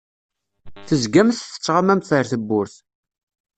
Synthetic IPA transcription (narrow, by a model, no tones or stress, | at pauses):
θəzɡæmθθə̥t͡sːʁamæmθəɾθəbːʊɾθ